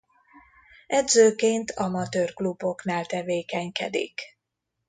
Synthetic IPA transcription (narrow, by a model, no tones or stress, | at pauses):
ɛd̪zøːkeːnt̪ʰɒmɒt̪øːrklubo̞knaːlt̪ɛveːkɛɲkɛ̰d̪ḭk